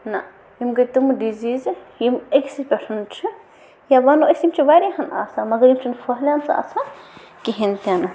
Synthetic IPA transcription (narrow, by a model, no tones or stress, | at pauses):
na | jimɡɐt̪umɖizizjimeksipʲɐʈʰɐnt͡ʃʰi | jaʋaːnuɐsjimt͡ʃʰiʋaːɾiɦɐna̰ːsamɐɡɐɾjimt͡ʃʰinfʰɐɦlʲansa̰ːsa | kiɦint̪ʲan